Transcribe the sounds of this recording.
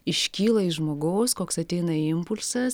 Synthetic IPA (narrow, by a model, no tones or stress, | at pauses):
ɪʃʲkʲiːlˠɐɪʒmoːɡoːskoːksɐt̪ʲɛɪnɐɪmpʊlʲsɐs